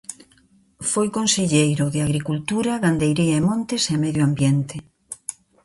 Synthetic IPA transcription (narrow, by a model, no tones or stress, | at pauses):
fojkonseʎejɾʊðeaɣɾikult̪uɾaɣand̪ejɾiaemõnt̪esemɛðjoambjent̪e